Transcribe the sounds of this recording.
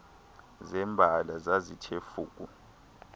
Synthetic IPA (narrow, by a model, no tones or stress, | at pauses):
zɛmbʱalazazitʰefuːkʼu